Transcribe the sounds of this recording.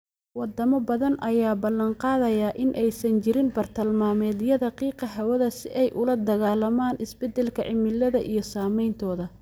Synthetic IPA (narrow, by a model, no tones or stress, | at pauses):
wɑd̪ɐmɐbɐðɐnɐjaːbɐlːɐnqɑːðɐjaːʔɪnʔɛjsɐnt͡ʃɪɾɪnbɐrt̪ʰɐlmaːmɛːd̪jɐðɐqiːqɐɦɐwɐðɐsɪʔɛjʔʊlɐd̪ɐɣaːlɐmaːnʔɪsbɛd̪ɛlkʰɐʕɪmɪlːɐðɐʔijɞsaːmɛjnt̪ʰɔːðɐ